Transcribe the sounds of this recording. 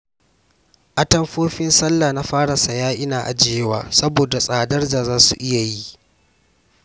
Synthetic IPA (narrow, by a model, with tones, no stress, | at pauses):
ʔa˨tɐ˦mɸoː˦ɸɪ˦nsɐ˦lːaː˨na˦ɸaː˦ɽa˨sɐ˨jaː˦ʔɪ˦naː˨ʔa̰˨d͡ʒe˦e˦waː˦sɐ˦boː˨da˨sʼaː˨dɐ˦rd͡ʒaː˨zaː˦sṵ˨ʔɪ˦ja˨ji˦